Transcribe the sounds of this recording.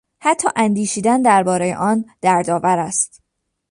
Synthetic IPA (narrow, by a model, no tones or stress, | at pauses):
hæt̪ʰːɒ̰ːʔænd̪iːʃiːd̪ænd̪æɾbɒːɾejḛʔɒːnd̪̥æɾd̪ɒːvæɾæst̪